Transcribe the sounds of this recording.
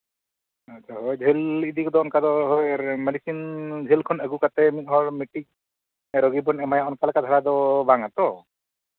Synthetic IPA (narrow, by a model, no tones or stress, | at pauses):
at͡ʃʰaɦojd͡ʒʱelid̪ikɔd̪ɔːnkad̪ɔɦɔjmɛɖisind͡ʒʱelkʰɔnəɡukat̪ɛmit̪̚hɔɾmiʈik̚ | ɾɔɡibɔnɛmajaɔnkalakad̪ʱaɾad̪ɔbaŋat̪ɔ